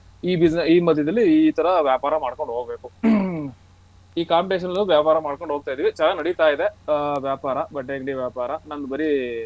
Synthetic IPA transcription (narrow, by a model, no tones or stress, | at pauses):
iːbid͡ʒniːmɐd̪ʱjɐd̪ɐlːiːt̪ɐɾɐʋjaːpaːɾɐmaːɽkoɳɖɦoːɡɐbeːku | iːkaːmpiʈeʃ̬ɐnɐlɐuʋjaːpaːɾɐmaːɽkoɳɖoːɡ̚t̪aːjd̪iːʋit͡ʃaːlɐnɐɽit̪aːjid̪e̞ʋjaːpaːɾɐbɐʈːeːɡɖiʋjaːpaːɾɐnɐnd̪ubɐɾi